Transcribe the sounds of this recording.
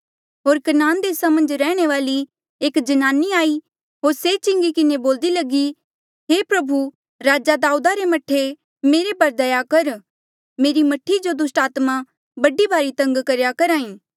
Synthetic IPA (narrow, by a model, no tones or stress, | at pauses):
ɦoːɾkɐnaːnd̪eːsamə̃nd͡ʒɾɛːɽ̃eʋaːli | eːkd͡ʒɐnaːniaːi | ɦoːɾset͡ʃɪ̃ŋɡikɪneboːld̪ilɐɡi | ɦeːpɾɐbʱu | ɾaːd͡ʒad̪aːuːd̪aɾemɐʈʰːe | meːɾepɐɾd̪ɐjakɐɾ | meːɾimɐʈʰːid͡ʒod̪ʊsʈaːt̪ma | bɐɖibʱaːɾit̪ɐ̃ŋɡkɐɾjakɐɾaːĩː